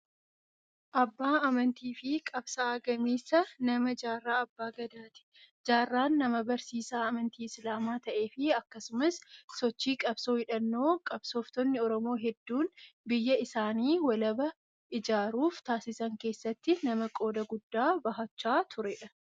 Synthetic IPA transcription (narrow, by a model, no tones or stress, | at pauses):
ʔɐbːaːɐmɐnt̪iːfɪkʼɐbsaɐɡɐmiːsɐnɐmɐd͡ʒaːrːaːɐbːaːɡɐd̪aːt̪ɪ̥ | d͡ʒaːrːaːnːɐmɐbɐɾsiːsaːɐmɐnt̪iːɪslaːmaːt̪ɐʔe̞ːfɪɐkːɐsʊmɐssɔt͡ʃːiːkʼɐbsoːhɪᶑɐnːo̞ːkʼɐb̥soːft̪ɔnːɪɔɾɔmo̞ːɦɛd̪ːuːnbɪjːɐɪsaːniːwɐlɐbɐ | ʔɪd͡ʒaːɾuːft̪aːsɪsɐŋke̞ːsːɐt̪ːɪnɐmɐkʼo̞ːd̪ɐɡʊd̪ːaːbɐɦɐt͡ʃːaːt̪ʰʊɾɛᶑɐ